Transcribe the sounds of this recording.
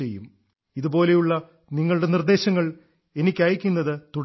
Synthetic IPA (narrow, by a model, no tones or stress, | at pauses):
ejːum | iðubo̞ːle̞juɭːɐ | niŋːɐɭuɽe̞nird̪e̞ːɕɐŋːɐɭ | e̞nikʲːɐjɐkʲːunːɐðɨt̪uɽ